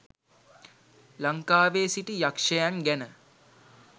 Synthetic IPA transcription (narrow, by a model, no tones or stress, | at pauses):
laŋkaːʋeːsiʈijakʂəjaŋɡænə